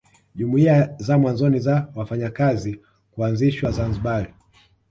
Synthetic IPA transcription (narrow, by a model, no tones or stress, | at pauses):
ʄumuiazamwanzɔnizawafaɲakazi | kuanziʃwazanziɓaɾi